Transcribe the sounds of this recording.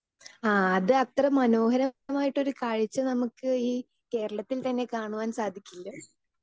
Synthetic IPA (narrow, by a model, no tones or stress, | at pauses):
aːɐðɨɐt̪rɐmɐno̞ːhɐɾɐmaːjiʈːo̞ɾukaːɻit͡ɕːɐnɐmukːɨiː | ke̞ːɾɐɭɐt̪ːilt̪ɐnːe̞kaːɳuʋaːnsaːd̪ʱikʲːilːɐ